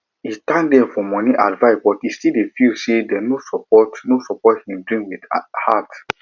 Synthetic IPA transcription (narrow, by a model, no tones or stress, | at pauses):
itãndɛ̃fɔmɔ̃niʔadvaɪsbɔtistilefisedɛnosɔpɔtnosɔpɔthĩmdɹĩŋwidha̰t